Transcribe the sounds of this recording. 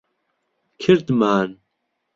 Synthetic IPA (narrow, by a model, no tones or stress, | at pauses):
kʰɪɾd̪maːn